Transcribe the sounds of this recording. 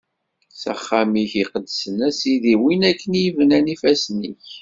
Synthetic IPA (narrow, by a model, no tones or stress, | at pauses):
sæ̰χːamiçiqəd̪əsənæsiðiwinækːənjvnænifæsnḭç